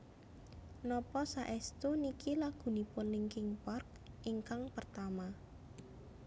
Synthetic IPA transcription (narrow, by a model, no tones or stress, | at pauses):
nɔpɔsaʔɛst̪unikilaɡ̥ṳnipʊnlɪŋkɪŋpark̚ | ʔiŋkaŋpərt̪ama